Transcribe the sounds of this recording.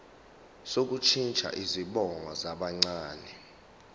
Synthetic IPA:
sok̬ut͡ʃʰint͡ʃʼʰa̰ʔiziɓɔŋɔzaɓaŋ͡ǀaːnɛ

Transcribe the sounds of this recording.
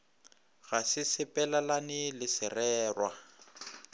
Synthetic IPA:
ɣasɪsɪpʼɛlalanɪlɪsɪrɛːrwa

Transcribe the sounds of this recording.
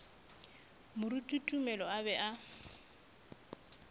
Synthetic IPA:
mʊɾutʼutʼumɛlɔabɛʔa

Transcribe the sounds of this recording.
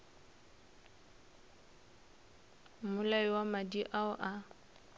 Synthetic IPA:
mʊlaiwamadiʔaʊʔa

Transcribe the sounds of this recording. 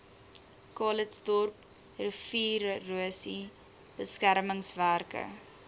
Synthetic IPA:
kɑːlətsdɔrp | rəfiːrːuəsi | b̥əskærməŋsværkə̰

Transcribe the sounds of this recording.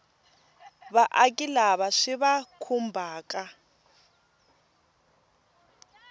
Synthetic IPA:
βaʔakʼilaβaʂiβakʰumbʱaːkʼa

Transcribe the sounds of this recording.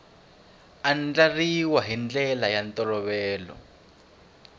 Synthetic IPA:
and͡ɮariwaɦind͡ɮɛlajant̪ɔlɔβɛːlɔ̰

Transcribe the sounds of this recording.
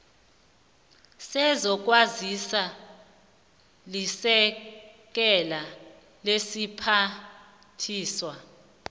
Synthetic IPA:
sɛzɔk̬ʼwazisa | lisɛk̬ɛla | lesipʰa | tʰiːswa

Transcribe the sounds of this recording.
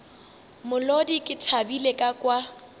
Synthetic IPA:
mʊlodikʼɪtʰabilekʼakʼwa

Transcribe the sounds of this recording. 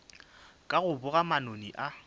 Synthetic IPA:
kʼaɣʊbʊɣamanoniʔa

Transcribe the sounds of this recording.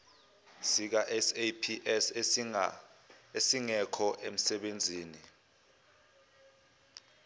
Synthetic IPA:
sik̬aʔɛsepʰiɛ | esiŋɛkʰɔʔem̩sɛɓend͡zʱiːni

